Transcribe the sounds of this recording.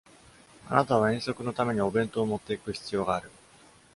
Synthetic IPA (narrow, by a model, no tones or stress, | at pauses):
a̰nat̪aβaẽ̞ɰ̃so̞kɯ̟no̞t̪ame̞ɲ̟io̞bẽ̞nt̪o̞ːmo̞t̪ːe̞ikɯ̟çi̥t͡sɨjo̞ːɡaːɾɯ̟